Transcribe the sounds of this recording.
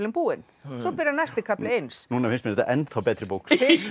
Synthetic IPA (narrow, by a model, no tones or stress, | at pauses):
lɪmpuːɪn | sɔpɪɾanast̪ɪkʰaplɪejnsnuːnaɪnsmɪnɛt̪a̰ʔɛnt̪θawpɛːt̪ɾɪbukshs